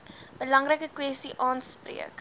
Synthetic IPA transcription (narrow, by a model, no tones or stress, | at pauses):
b̥əlɐŋrəkəkwɛstiʔɑːnsprḭək